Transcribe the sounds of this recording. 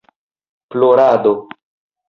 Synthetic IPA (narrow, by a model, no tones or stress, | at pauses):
ploɾado